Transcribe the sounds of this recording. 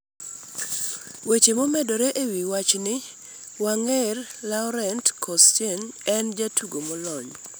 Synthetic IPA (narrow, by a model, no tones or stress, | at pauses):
wet͡ʃemomɛdɔɾɛʔewiwat͡ʃnɪ | waŋerlaʊɾɛntkʰɔstenɛnd͡ʒatʰuɡomɔlɔɲ